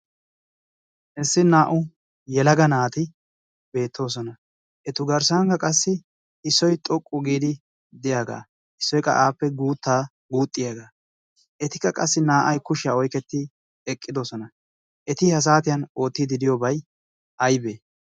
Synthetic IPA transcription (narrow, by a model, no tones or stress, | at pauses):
ʔɛsːɪnaːʔʊ | jɛlɐɡɐnaːt̪ɪ | be̞ːt̪ʰːo̞ːs̬ɔnɐ | ʔɛt̪ʊɡɐɾsaŋkɐkʼɐsːɪ | ɪsːɔjt̪ʼɔkʼːʊɡiːd̪ɪ | d̪ɪjaːɡa̰ː | ʔɪsːɔjkʼɐ̰ʔaːpːɛɡuːt̪ːaː | ɡuːt̪ʼːɪjaːɡaː | ʔɛt̪ɪ̥kːɐkʼɐsːɪnaːʔɐjkʊʃɪjaːɔjkɛt̪ːɪ | ɛkʼːɪd̪o̞ːsɔnɐ | ʔɛt̪ɪhɐs̬aːt̪ɪjɐno̞ːt̪ːɪd̪ɪd̪ɪjoːbɐj | ʔɐjbeː